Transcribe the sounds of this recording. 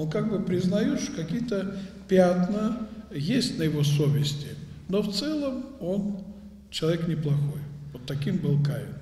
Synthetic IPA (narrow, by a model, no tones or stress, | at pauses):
onkaɡ̚bɨpɾʲɪznɐjot̪ʂt̪okɐkʲijət̪əpʲat̪nəjesʲtʲnəjɪvosovʲɪsʲtʲɪnoft̪sɛlˠəmo̞n | t͡ɕɪlˠɐvʲeknʲɪplˠɐxo̞jvot̪ːɐkʲimbɨlˠkajʲɪn